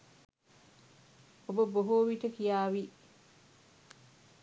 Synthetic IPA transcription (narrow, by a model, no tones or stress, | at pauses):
ɔbɔboɦoːwitɐkijaːwi